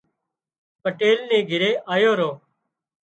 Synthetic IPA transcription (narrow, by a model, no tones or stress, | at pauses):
pəʈeːlnẽːɡʱɪɾeːʔaːjoːɾoː